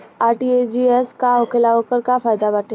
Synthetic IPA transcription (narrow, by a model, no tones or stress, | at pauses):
aɾʈied͡ʑieskãɦokelaʋəkəɾkafajd̪aʋaʈe